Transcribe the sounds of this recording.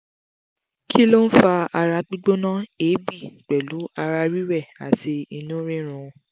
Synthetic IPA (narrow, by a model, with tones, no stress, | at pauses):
kʰi˦lo˦n̩˦fa˧a˧ɾa˧k͡pi˦ɡ͡bo˦nã˦e˨˦bi˦˨k͡pɛ˨lu˨˦a˧ɾa˧ɾi˦ɾɛ˦˨a̰˨ti˧i˧nũ˦ɾĩ˦ɾ̃ũ˧